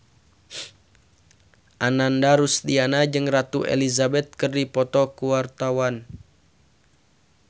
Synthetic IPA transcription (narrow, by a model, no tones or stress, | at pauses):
ʔanandaɾust̪ianad͡ʒɨŋrat̪uʔḛlizabɛt̪̚kərdipɔt̪ɔkuwart̪awan